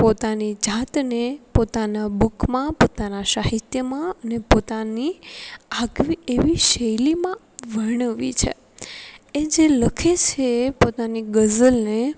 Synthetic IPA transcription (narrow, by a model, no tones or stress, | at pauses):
pot̪anid͡ʒat̪nepot̪anabukmãpot̪anaʃaɦit̪jəmãənepot̪aniaɡʋieʋiʃəjlimã | ʋəɾɳəʋḭt͡ʃʰḛ | ed͡ʒeləkʰet͡ʃʰepot̪aniɡəzəlne